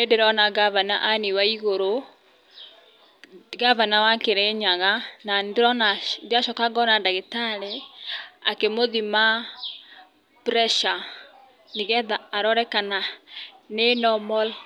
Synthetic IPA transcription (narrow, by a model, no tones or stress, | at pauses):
endeɾɔnaɡavana̰ʔaniwaiɣoɾo | ɡavanawakeɾeɲaɣanandeɾɔnandeaʃɔkaɡɔnandaɣetaɾe | akemoðima | pɾɛʃa | niɣɛðaːɾɔɾɛkana | nenɔmɔl